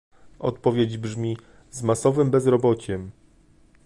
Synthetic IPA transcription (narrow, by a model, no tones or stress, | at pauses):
ɔ̰t̪pɔvʲjed͡ʑbʐmʲi | zmasɔvɘmbɛzɾɔbɔt͡ɕɛm